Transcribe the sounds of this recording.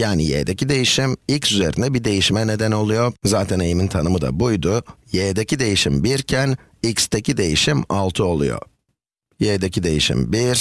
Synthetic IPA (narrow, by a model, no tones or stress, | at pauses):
jaːnijḛːd̪ecʰid̪e̞jiʃimilʲcsyze̞ɾind̪ɛbid̪e̞jiʃmɛne̞d̪æno̞lˠujo̞zaːt̪ʰæne̞jimint̪ʰanɯmɯd̪a̰bujd̪ujeːd̪ecid̪e̞jiʃimbiɾcʰæn | icst̪ʰecʰid̪e̞jiʃimalˠt̪ʰɯo̞lˠṵjo̰ | jed̪ecʰid̪e̞jḭʃḭmbiɾ̥